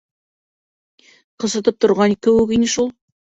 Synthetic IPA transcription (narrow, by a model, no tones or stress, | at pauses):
qɤ̆sɤ̆t̪ɤp̚t̪ŏɾʁɑnikɵwɘkinɘʃulˠ